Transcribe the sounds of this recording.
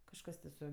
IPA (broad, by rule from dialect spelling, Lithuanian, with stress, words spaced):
kɐʃˈkɐs tʲɪ sʊ